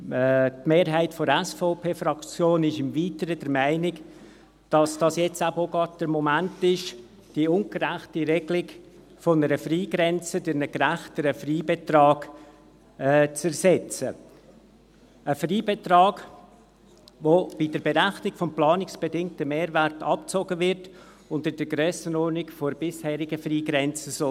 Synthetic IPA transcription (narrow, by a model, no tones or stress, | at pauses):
tmeːɾɦæɪtfɔɛsfɔʊpʰeːfɾɑkt͡sjoːnɪʃɪmviːtəɾəd̥əɾmæɪnɪk | d̥ɑsd̥ɑsjɛt͡sæbəoɡɑd̚d̥əɾmomæntɪʃ | d̥iʊŋɡəɾæχtiɾɛɡlɪɡ | fɔnəɾəfɾiːɡɾɛnt͡sədɪɾnəɡɾæχtəɾəfriːbetɾɑːɡ | t͡sɛɾsɛt͡sə | əfriːbɛtɾɑːɡ | vob̥idəɾbɛɾæχnɪkfɔmplɑːnɪksb̥ɛdɪŋtəmeːɾvæɾtɑp̚t͡soɡəvɪɾt | ʊndəd̥əɡɾœːsənɔɾnɪkfobɪshɛːɾɪɡəfriːɡɾɛnt͡səsɔ